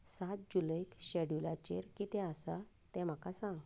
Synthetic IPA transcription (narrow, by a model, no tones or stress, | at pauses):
sat̪̚d͡ʑulaikɕɛɽjulat͡ɕḛɾkit̪ɛ̃əsa | t̪ɛ̃m̤akasãɡ